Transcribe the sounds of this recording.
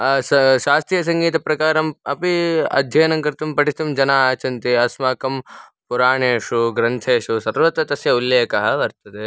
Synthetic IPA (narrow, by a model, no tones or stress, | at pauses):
ɐsɐʃaːst̪ɾijɐs̬ɐŋɡiːt̪ɐpɾɐkaːɾɐmɐ̰piɐ̰d̪ʱjɐjnɐŋkɐɾt̪ɐmpɐʈist̪ɐmd͡ʒɐnaːaːt͡ʃɐnt̪iɐsmaːkɐmpuɾaːɳeːʃuɡɾɐnt̪ʰeːʃusɐɾʋɐt̪ːɐt̪ɐsjɐulːjeːkɐɦɐʋɐɾt̪ɐt̪e